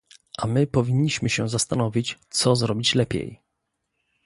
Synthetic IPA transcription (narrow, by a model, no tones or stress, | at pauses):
ʔamɘpɔvʲiɲːiɕmɘɕɛzast̪anɔvʲit͡ɕt̪sɔzɾɔbʲit͡ɕlɛpʲɛ̰j